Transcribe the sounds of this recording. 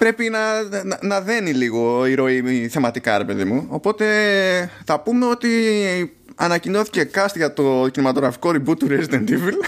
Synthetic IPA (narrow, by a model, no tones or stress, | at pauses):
pɾe̞pinɐnɐðe̞niliɣo̞iɾo̞iθe̞mɐt̪ikɐɾe̞pe̞ðimuopo̞t̪e̞ | θɐpume̞o̞t̪i | ɐnɐcino̞θi̥ce̞kɐst̪ʝɐt̪o̞cinimɐt̪o̞ɣɾɐfi̥ko̞ɾibut̪uɾezid̪end̪ivil